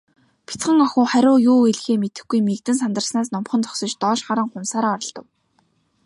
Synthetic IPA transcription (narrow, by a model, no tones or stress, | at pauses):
pʰi̥t͡sχə̆ŋɔxʊːχæɾʲʊːjuːeɮxeːmet̪ɘ̆xɡujmikt̪ɘ̆nsant̪ə̆rsnaːsnʊmχɞ̆nt͡sʰɔ̥ksɞ̆t͡ɕt̪ɔːʃχaɾə̆ŋχʊmsaːɾaːɔɾɞ̆ɮt̪ɞ̆w